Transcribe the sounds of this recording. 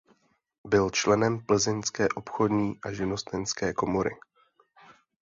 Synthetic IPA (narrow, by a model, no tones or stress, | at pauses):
bɪlt͡ʃlɛnɛmpl̩zɪnskɛːʔo̞pxo̞dɲiːʔaʒɪnost̪ɛnskɛːko̞mo̞ɾɪ̰